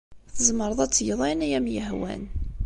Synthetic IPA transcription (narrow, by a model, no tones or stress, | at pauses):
θəzməɾˤəðˤæt͡sːjəðˤænæjæmjəɦwæ̰n